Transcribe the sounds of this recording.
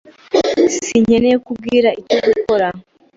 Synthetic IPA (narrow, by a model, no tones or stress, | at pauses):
siɲe̞nekub̚ɡiːɾaicoɡuko̞ɾa